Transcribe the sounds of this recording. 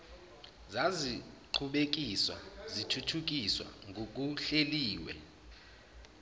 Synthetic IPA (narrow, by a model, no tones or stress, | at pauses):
zazi | ǃʰuɓek̬iswa̰zitʰutʰuk̬iswa̰ŋɡʱok̬ʼuɬeliːwɛ̰